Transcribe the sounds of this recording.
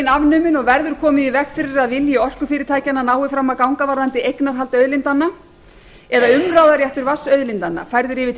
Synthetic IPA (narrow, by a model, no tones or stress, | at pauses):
navnʏːmɪnɔɣvɛɾðʏɾ̥kʰɔːmɪðivɛhkfɪɾɪɾaðvɪljɪɔr̥kʏfɪːɾɪɾ̥t̪ʰaːjcanːanaːwɪfɾamːakawŋkavaɾðant̪ɪʔejknaɾ̥ɦalt̪œɥðlɪnt̪anːa | ɛðaʏmraːwðaɾjaht̪ʏɾvasœɥðlɪnt̪anːa̰fajɾðʏɾɪvɪ